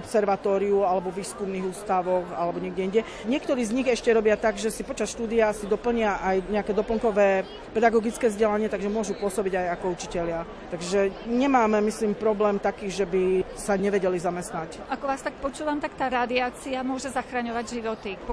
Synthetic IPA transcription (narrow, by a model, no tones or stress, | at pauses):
ɔpsɛɾʋat̪ɔːɾiualɛbɔʋiːskumniːɣuːst̪aʋɔxalɛbɔɲɛɡɟɛinɟɛ | ɲɪɛkt̪ɔɾiːzɲiɣɛʃcɛɾɔbɪat̪aɡʒɛsipɔt͡ʃasʃt̪uːd̪iasid̪ɔpl̩ɲɪaʔajɲɛakɛːd̪ɔpl̩ŋkɔʋɛː | pɛd̪aɡɔɡit͡skɛːvzɟɛlaɲɪɛt̪aɡʒɛmʊɔʒupʊɔsɔbiɟajakɔut͡ʃicɛʎɪa | t̪aɡʒɛɲɛmaːmɛmisliːmpɾɔblɛːmt̪akiːʒɛbi | saɲɛʋɛɟɛlizamɛst̪nac | akɔʋaːst̪ak̚pɔt͡ʃuːʋamt̪akt̪aːɾad̪iaːt͡siamʊɔʒɛzaxɾaɲɔʋaɟʒiʋɔt̪ip